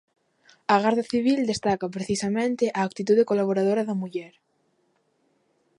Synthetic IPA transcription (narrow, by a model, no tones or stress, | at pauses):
aɣaɾðaθiβ̞ild̪est̪akapɾeθisamẽnt̪eʔaːk̚t̪it̪uðekolaβoɾaðoɾaðamuʎɛɾ